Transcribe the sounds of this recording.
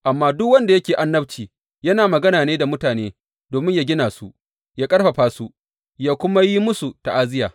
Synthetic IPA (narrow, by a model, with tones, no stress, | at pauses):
ʔa˨mːaː˦dʊ˦kwɐ˦nda˨jɐ˦kʲeː˨ʔa˦nːɐ˦ɸt͡ʃiː˨ | jɐ˦naː˨mɐ˨ɡɐ˦naː˨neː˦da˨mʊ˦taː˨neː˦ | doː˨mɪ˦ɲjaː˦ɡʲɪ˦naː˨su˦ | jaː˦kʼɐ˦ɽɸa˨ɸaː˦su˦ | jaː˦kʷʊ˦ma˦ji˦mʊ˦su˨ta˨ʔaː˦zɪ˦jaː˨